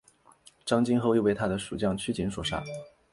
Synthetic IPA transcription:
ʈ͡ʂɑ˥ŋt͡ɕi˥nxo˥˧ʊi˥˧we˥˩ɪt̪ʰa˥d̪ə˨ʂu˨˩t͡ɕjɑ˥˩ŋt͡ɕʰy˥t͡ɕi˧˥nswɔ˨˩ʂa̰˥˩

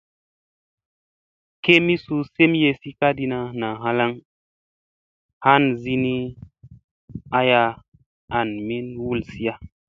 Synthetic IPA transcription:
ke˦mi˦su˧se˦mje˧si˦ka˦di˧na˧na˨ɦa˦la˦ŋ | ha˦nzi˦ni˦ | a˦ja˧ | a˨nmi˦nwu˦lsi˦a˦

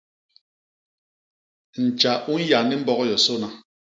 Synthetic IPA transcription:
n̩˨t͡ʃa˨ʔu˦n̩˦ja˨ni˦m̩˦bɔ˦ɣɔ˦jɔ˨so˦na˦

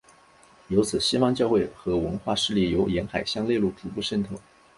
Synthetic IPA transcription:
jo˧˥ʊt͡sʰɹ̩˨˩ɕi˥fɑ˥ŋt͡ɕjɑ˥˧ʊxwe˥˩ɪxɤ˧˥wə˧˥nxwa˥˧ʂɻ̩˥˧li˥˩jo˧˥ʊjɛ˧˥nxa˨˩ɪɕjɑ˥˧ŋle˥˧lu˥˩p̪ʰi˧˥˩pu˥˧ʂə˥˧nt̪ʰo˨˩˦

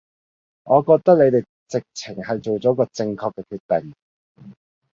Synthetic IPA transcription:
ŋɔː˨˧kɔː˧k̚t̪ɐ˥k̚le˨˧jt̪e˨j | t͡sɪ˨k̚t͡sʰɪ˨˩ŋhɐ˨jt͡so˨wt͡sɔː˨˥kɔː˧t͡sɪ˧ŋkʰɔː˧kːɛ˧kʰyː˧t̚t̪e˨˩ŋ

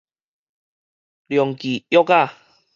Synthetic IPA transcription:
ljɔ˨˩ŋki˨jɔ˦ka˥˧˨

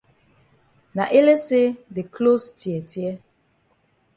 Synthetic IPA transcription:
na˨ʔe˦le˦se˦de˨kʰlo˦stjɛ˨tjɛ˦

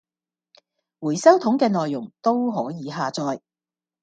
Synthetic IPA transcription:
wuː˨˩jsɐ˥wt̪ʰʊ˨˥ŋkɛː˧nɔː˨jːʊ˨˩ŋt̪o˥wɦɔː˨˥jiː˨˧ɦaː˨t͡sɔː˧j

